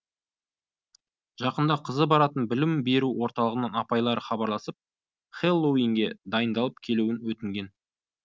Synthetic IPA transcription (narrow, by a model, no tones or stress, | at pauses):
ʒ̥ɑqənd̪ɑqʰəzəbɑɾɑt̪ənbɪlɪmbe̞ɾuwo̞ɾt̪ɑlˠəʁənəɴɑpɑjlˠɑɾəχɑbɑɾlˠɑsəp̚ | χelˠːowiŋɡʲe̞d̪ɑjənd̪ɑlˠəp̚kʲʰe̞luɪnwɵt̪ɪŋɡʲe̞n